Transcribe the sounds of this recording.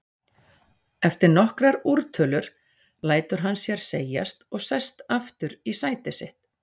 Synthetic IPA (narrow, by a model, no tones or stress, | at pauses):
ɛft̪ɪɾnɔhkɾaɾuɾt̪ʰʏːlʏɾ̥ | laːjt̪ʏɾ̥ɦanːsjɛɾ̥seːja̰st̪ɔɣsɛst̪aft̪ʏɾisaːjt̪ɪsɪht̪